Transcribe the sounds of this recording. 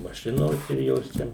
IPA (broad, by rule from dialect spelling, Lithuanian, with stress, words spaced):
mɐˈʃʲɪnoːs ɪr ˈjoːs t͡ʃʲɛ